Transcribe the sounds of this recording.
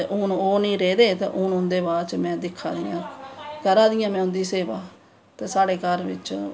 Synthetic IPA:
t̪eʔʊnoːnĩːɾeːd̪eːt̪ḛːʔʊnʊ̃nd̪eːbaːɾt͡ʃmɛ̃ːd̪ɪkʰːa̰ːd̪ɪjã̰ːkəɾaːd̪ɪjãːmɛ̃ːʊ̃nd̪iːseːʋaː | t̪eːsaːɽeːkəɾʋɪ̰t͡ʃ

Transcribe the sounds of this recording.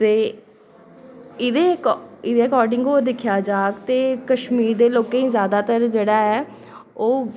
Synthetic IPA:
t̪eː | ɪd̪eːɪd̪eːəkɔːɾɖɪŋɡoːd̪ɪkʰjaːd͡ʒaːkt̪eːkəʃmiːɾd̪eːloːkẽĩzjaːd̪aːt̪əɾd͡ʒeːɽaːɦɛː | oː

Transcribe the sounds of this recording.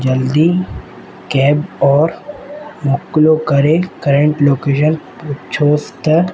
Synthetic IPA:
d͡ʒɐld̪iː | kɛːbɔːɾmʊklokəɾekəɾə̃ɳʈloːkeːʃən | ʊt͡ʃʰoːst̪

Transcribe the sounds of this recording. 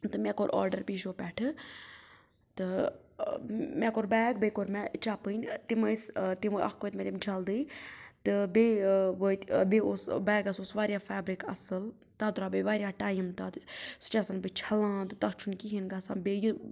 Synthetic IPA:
t̪ɨmʲɛ̃koɾʔɔ̰ːɾɖəɾbiːʃoːpɛːʈʰɨ | t̪ɨ | mɛ̃ːkoɾbɛːɡbəkoɾmɛt͡ʃapɨnʲt̪imɨst̪imʔɐ̰kkoːjt̪mɛːt̪imd͡ʒʰʱɐld̪ɨt̪ɨbeːʋət̪beosbɛːɡɐsosʋaːɾjaːfʰɛːbɾikɐ̰sɨl | t̪ad̪ɾaːbeʋaːɾjaːʈaːjmt̪at̪st͡ʃasɐnbɨt͡ʃʰɐlãːt̪ɨt̪ɐkt͡ʃʰunkiɦinɡaːsãːbeju

